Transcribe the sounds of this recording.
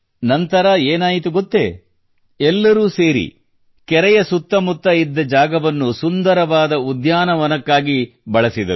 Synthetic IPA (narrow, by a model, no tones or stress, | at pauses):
nɐnt̪ɐɾɐeːnaːjit̪uɡot̪ːḛ | ɛlːɐɾuːse̞ːɾḭ | kɛɾɛjɐsut̪ːɐmut̪ːɐid̪ːɐd͡ʒaːɡɐʋɐnːusund̪ɐɾɐʋaːd̪ɐud̪jaːnɐʋɐnɐkːaːɡi | bɐɭɐsid̪ɐ̰ɾu